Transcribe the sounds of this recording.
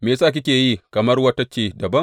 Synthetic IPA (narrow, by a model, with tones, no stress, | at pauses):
meː˨saː˦˨k̬ʲɪ˦kʲeː˨jiː˦kɐ˨mɐ˦rwɐ˦ta˦t͡ʃeː˨dɐ˨bɐ˦ŋ